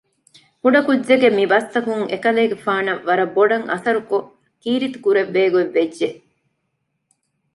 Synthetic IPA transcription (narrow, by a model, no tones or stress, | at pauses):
kuɖɐkudːeɡemibɐst̪ɐkuŋekɐleːɡefaːnɐʋːɐɾɐboɖɐŋʔɐ̰sɐɾuko | kiːɾit̪u̥kuɾeʋːeːɡueʋːedʒe